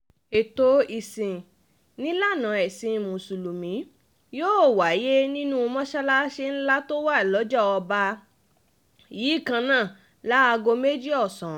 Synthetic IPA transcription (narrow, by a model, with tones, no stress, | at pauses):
e˨to˨˦i˧˨sĩ˨ | nĩ˦la˦˨nã˨˦ɛ˨sĩ˨˧˨mũ˨su˨lu˨mĩ˨˦ | joː˦˨wa˨˦je˦nĩ˦nũ˦˧mɔ̃˦ʃa˦la˦ʃe˦n̩˦la˦to˦wa˦i˨lɔ˨˦d͡ʒɔ˦ɔ˧ba˧ | jiː˨˦i˦˨kã˧nãː˦˨ | la˨˦a˧ɡo˧me˦d͡ʒi˦ɔ˦˨sɔ̃˨